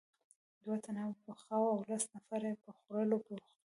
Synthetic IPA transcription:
d̪wat̪ʰanawpəxɑwawlasnafaɾepəxoɾəlokewəxt̪

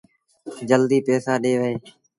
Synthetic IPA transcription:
d͡ʒəld̪iːpeːsaːɗeːʋəeː

